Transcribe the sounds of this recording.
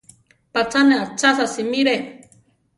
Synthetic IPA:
pat͡saneat͡sasasimiɾe

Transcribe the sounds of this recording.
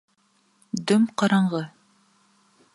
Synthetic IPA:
d̪ɵmqɑɾɑɴʁɤ

